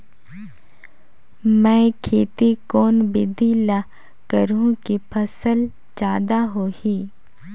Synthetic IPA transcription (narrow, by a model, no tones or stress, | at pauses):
mɛ̃ːkʰeːt̪ikoːnbɪd̪ʱila | kəɾũkipʰəsəl | d͡ʒjaːd̪aɦoːhi